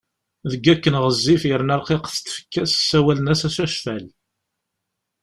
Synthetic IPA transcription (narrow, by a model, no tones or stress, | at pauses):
ðəɡːækːənʁəzːifjəɾnɑɾˤqiqθt̪ːfə̥kːæssːæwælənæsæsæʃfæl